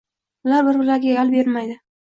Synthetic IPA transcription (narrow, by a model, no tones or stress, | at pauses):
bʊlaɾbɪɾbɪlaɾɡʲajalˠbe̞ɾmajd̪ɪ